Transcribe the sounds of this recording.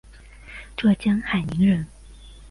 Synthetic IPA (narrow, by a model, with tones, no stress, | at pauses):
ʈ͡ʂɤ˥˩t͡ɕjɑ˥ŋxa˨˩ɪni˧˥ŋɻə˧˥n